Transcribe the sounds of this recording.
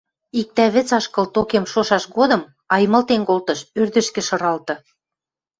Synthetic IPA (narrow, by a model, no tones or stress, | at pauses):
ik̚t̪æβɘ̆t͡sɑʃkɤ̆lt̪okemʃoʃɑʃɣod̪ɤ̆m | ɑjmɤ̆lt̪enkolt̪ɤ̆ʃørd̪ə̆ʃkɘ̆ʃɤ̆ɾɑlt̪ɤ̆